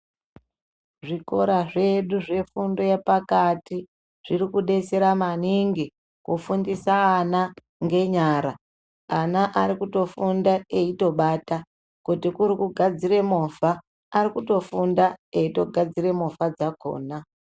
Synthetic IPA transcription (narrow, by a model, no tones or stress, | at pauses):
ʐiko̞ɾaʐe̞ɗuʐe̞fundo̞jepakati | ʐ̥irikuɗe̞t͡se̞ɾamaniŋɡi | kufundisaːna | ŋɡe̞ɲaːɾa | anaʔaɾikuto̞fundaeito̞ɓaːta | kutikuɾikuɡʱad͡zire̞mofaː | rikuto̞fundaeito̞ɡʱad͡zire̞mofad͡zako̞̰ːna